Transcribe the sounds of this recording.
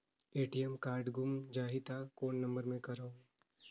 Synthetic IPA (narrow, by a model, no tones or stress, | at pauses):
eːʈiɛmkaːɾɖɡʊmd͡ʒaːɦit̪akoːnːɐ̃mbəɾmẽkɐɾõː